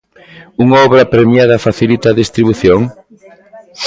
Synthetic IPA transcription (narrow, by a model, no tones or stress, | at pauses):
uŋaɔβɾɐpɾemjaðɐfaθilit̪ɐːðist̪ɾiβuθjoŋ